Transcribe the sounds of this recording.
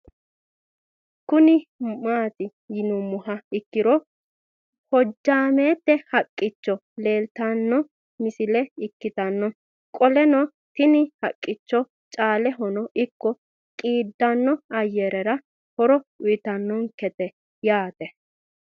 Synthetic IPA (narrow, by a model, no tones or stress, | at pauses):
kʊnɪmaːt̪ɪ | jɪnɔmʊhɐɪkːɪɾɔ | hɔd͡ʒːaːmeːt̪ːɛhɐkʼːɪt͡ʃːɔ | le̞ːlt̪anːɔ | mɪsɪlɛɪkːɪt̪ɐnːɔ | kʼɔlɛnɔ | t̪ɪnɪhɐkʼːɪt͡ʃːɔ | t͡ʃʼaːlɛɦɔnɔʔɪkːɔ | kʼiːd̪ːɐnːɔɐjːɛɾɛɾɐ | hɔɾɔʊjɪt̪ɐnːɔŋkɛt̪ɛ | jaːt̪ɛ